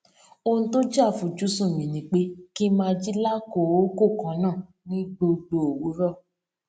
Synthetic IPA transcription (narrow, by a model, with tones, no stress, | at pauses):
o˧nũ˧to˦d͡ʒa˦˨fũ˨d͡ʒu˨˦sũ˦˨mĩ˨nĩ˨˦k͡pe˦ki˦mãː˦˧d͡ʒi˦la˦ko˨o˨˦ko˦˨kã˨˦nã˦˨ | nĩ˦ɡ͡bo˧ɡ͡bo˨o˨wu˨˦ɾɔ˦˨